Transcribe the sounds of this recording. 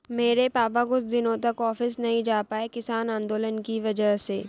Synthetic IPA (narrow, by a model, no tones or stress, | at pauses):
meːɾepaːpaɡʊsd̪ɪnõt̪ɐkɔːfɪsnɐɦĩd͡ʒaːpaːekɪsaːnãːnd̪oːlənkiʋɐd͡ʒəɦseː